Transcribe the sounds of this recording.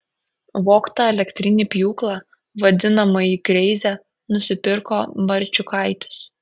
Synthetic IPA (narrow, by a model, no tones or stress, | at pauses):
ʋoːkt̪ɐɛlʲɛkt̪ʲɾʲɪnʲɪpʲjuːklˠɑ | ʋɐd̪ʲɪnɐmɐiːkɾʲɛɪzʲæ | nʊsʲɪpʲɪɾkoːʋɐɾʲt͡ʃʲʊkɐɪt̪ʲɪ̥s